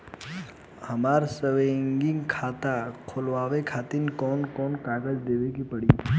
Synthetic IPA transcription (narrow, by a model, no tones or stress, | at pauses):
hɐmaːɾsəʋẽŋɡɪ̃ŋɡkʰaːt̪akʰʊlʋaːʋekʰaːt̪inkɔːnkɔːnkaːɡəd͡ʒd̪eːʋekipɐɽi